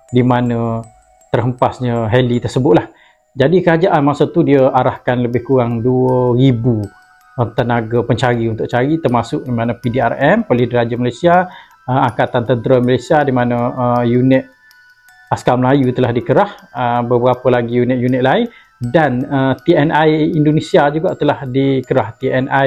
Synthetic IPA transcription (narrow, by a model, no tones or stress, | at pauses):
dimanə̃ | t̪ərɦəmpasɲəɦɛlit̪ərsəbʊt̪̚lah | d͡ʒadikəɾad͡ʒaʔanmasət̪udiəʔaɾahkanləbɪhkuɣaŋduəɾibu | ət̪ənaɡapəɲt͡ʃaɾiunt̪ʊʔ̚t͡ʃaɾit̪ərmasʊʔ̚dimanə̃pidiarɛmpolɪhdəɾad͡ʒamalesia | əaŋkat̪ant̪ənt̪ɾəmalasiadimanə̃əjunɪt̪̚ | askaməlajut̪əlahdikəɾahəbəbəɾapəlaɡijunɪʔ̚junɪt̪̚laɪn | danət̪iɛnajindonisiad͡ʒuɡaʔt̪əlahdikəɾaht̪iɛnʔa